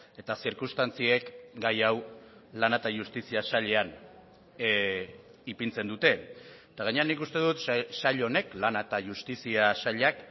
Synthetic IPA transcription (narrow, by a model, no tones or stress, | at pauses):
e̞t̪asiɾkust̪ant͡sie̞kɡajawlanat̪aʝust̪isiasaʎe̞an | ipint͡se̞nd̪ut̪e̞ | t̪aɣaɲe̞anikust̪e̞ðut̪saʎo̞ne̞klanat̪aʝust̪isiasaʎak